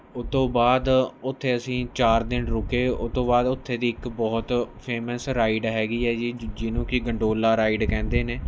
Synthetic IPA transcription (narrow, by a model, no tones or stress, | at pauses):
ʊt̪ːõːbaːd̪ʊt̪ʰːeːəsĩːt͡ʃaːɾd̪ɪnɾʊkeːʊt̪õːbaːd̪ʊt̪ʰːeːd̪iːɪkbɔːt̪pʰeːməsɾaːɪɖɦɛːɡiːɛːd͡ʒiːd͡ʒɪnũːkɪɡəɳɖoːlaːɾaːiɖkɛ̃ːnd̪eːneː